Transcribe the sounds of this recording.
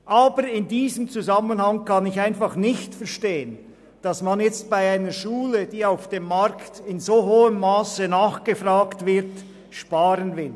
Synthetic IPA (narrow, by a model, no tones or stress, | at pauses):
ʔaːbəɾɪndiːzəmt͡suzamənhaŋkɑnɪçaɪnfɑχnɪçtfɛʁʃteːən | d̥ɑsmanjɛt͡st̚b̥aɪaɪnəʃuːləd̥iːaʊfd̥eːmːaɾktɪnzoːɦoːəmːaːsənaːχɡ̥əfʁaːktvɪʁt | ʃpaːɾənvɪl